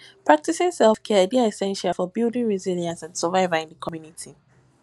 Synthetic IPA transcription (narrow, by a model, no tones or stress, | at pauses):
pʰɹ̥ak̚tisɪ̃ŋsɛlˠfkʰɛbiaɛsɛ̃nʃalˠfɔbilˠdɪ̃ŋɹiziljə̃nsãndsəvaɪvəɪ̃nðəkʰɔmjunitʰi